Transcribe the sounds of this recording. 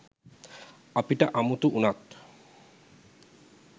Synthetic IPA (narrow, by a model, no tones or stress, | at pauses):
apiʈaʔamut̪uʔunat̪